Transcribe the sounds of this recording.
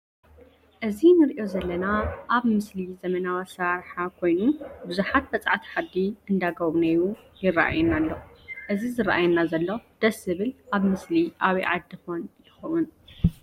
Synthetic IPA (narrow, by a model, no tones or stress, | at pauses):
ʔɨzinɨɾiʔo̞zɐlːɐnaʔaβmɨslizɐmɐnawasaɾħakʰo̞jnubɨzuħat̪̚bɐt͡sʼaʕt̪ʰi̥ħad̪iʔɨnd̪aɡɐβnejujɪra̰ʔa̰junalːoʔɨzizɨɾaʔajɛnːazɐlːod̪̥ɐsɨβɨlʔaβmɨsliʔaβiʕa̰d̪ːɨxonjɪxɐwun